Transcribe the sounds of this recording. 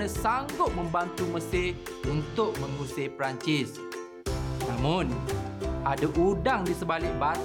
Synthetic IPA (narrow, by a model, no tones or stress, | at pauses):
ə̃saŋɡʊt̪̚mə̃mbant̪umə̃sɪ | unt̪ʊk̚mə̃ŋusepəɾaɲt͡ʃɪs | nãmʊ̃n | adaʔudaŋdisəbalɪk̚ba